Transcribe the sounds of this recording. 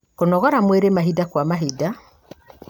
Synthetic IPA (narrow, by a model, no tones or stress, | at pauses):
konɔɣɔɾamweɾemaɦidakwamaɦida